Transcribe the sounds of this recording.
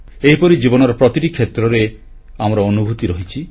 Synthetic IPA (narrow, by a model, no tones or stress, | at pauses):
eɦipɔɾid͡ʒibɔnɔɾɔpɾɔt̪iʈikʰːet̪ɾɔɾe | amɔɾɔɔnubʱut̪iɾɔɦit͡ʃʰi